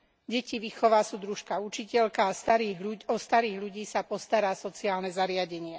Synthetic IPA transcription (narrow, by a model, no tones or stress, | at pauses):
ɟɛciʋixɔʋaːsuːd̪ɾuʃkaut͡ʃicɛʎkaːst̪aɾiːɦuɔst̪aɾiːɣʎuɟiːsapɔst̪aɾaːsɔt͡siaːlnɛzaɾɪaɟɛɲɪɛ